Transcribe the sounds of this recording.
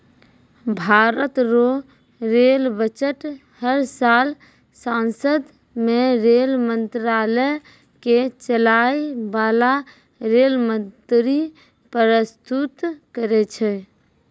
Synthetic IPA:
bʱaɾət̪ɾo | ɾelbət͡ʃəʈ | həɾsal | sãnsəd̪ | meɾelmənt̪ɾalə | ket͡ʃəlajbala | ɾelmənt̪ɾi | pəɾəst̪ut̪kəɾɛt͡ʃʰɛ

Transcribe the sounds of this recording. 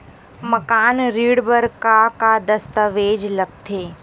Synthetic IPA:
mɐkaːnɾiːɽbəɾkakad̪ɐst̪əʋeːd͡ʒlɐɡ̚t̪ʰeː

